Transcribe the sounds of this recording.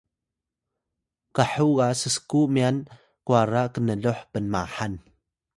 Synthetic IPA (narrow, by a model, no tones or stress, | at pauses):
kaħuɣasəskuʔmian | kuaɾakənəɮʊħpənmaħan